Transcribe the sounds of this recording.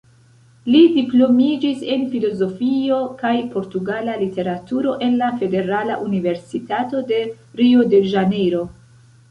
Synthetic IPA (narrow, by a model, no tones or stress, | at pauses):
lidiplo̞mid͡ʒise̞nfilo̞zo̞fio̞kajpo̞ɾtuɡalalite̞ɾatuɾo̞ʔe̞nlafe̞de̞ɾala̰ʔunive̞ɾsitato̞de̞ | ɾiode̞ʒanejɾo̞